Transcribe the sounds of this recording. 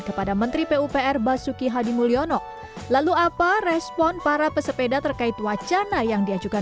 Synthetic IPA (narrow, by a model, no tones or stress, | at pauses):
kəpadamənt̪ɾipeupeɛrbasukiɦadimuliɔnɔʔ | laluaparɛspɔnpaɾapəsəpedat̪ərkait̪wat͡ʃanajaŋdiad͡ʒuka